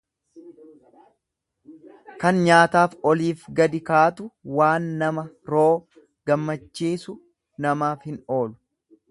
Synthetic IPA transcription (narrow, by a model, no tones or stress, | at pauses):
kɐnɲaːt̪aːfɔliːfɡɐd̪ɪkaːt̪ʊwaːnːɐmɐ | ɾo̞ː | ɡ̥ɐmːɐt͡ʃːiːsʊ | nɐmaːfhɪno̞ːlʊ̥